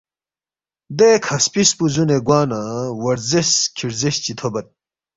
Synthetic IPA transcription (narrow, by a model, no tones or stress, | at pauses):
d̪ekʰɐspispuzuneɡwaːnɐwɐɾzeskʰiɾzeɕt͡ɕit̪ʰobɐt̪̚